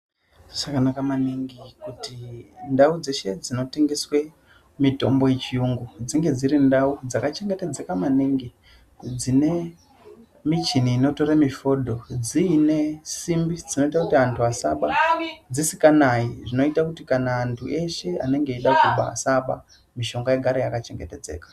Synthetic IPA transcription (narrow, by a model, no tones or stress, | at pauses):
ʐakanakamaniŋɡikutindaud͡ze̞ʃe̞d͡zino̞te̞ŋɡe̞swe | mito̞mbo̞jet͡ʃijuŋɡud͡ziŋɡe̞d͡zirindaud͡zakat͡ʃeŋɡeted͡zekamaniŋɡi | d͡zine̞ | mit͡ʃiniːno̞to̞ɾamifo̞dʱo̞d͡ziːne̞simbid͡zino̞itakutiantʰuasaɓad͡zisikanaiʐino̞itakutikanaːntʰuʔe̞ʃe̞a̰ne̞ŋɡeiɗakuɓa̰saɓa̰ | miʃo̞ŋɡajeɡʱaɾojakat͡ʃe̞ŋɡete̞d͡ze̞̰ːkḁ